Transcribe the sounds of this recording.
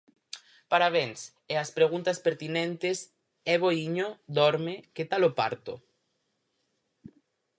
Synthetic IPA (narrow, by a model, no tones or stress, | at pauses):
paɾaβeŋs | easpɾeɣunt̪ɐspeɾt̪inẽnt̪ɪs | ɛβoiɲod̪ɔɾmeket̪alopa̰ɾt̪o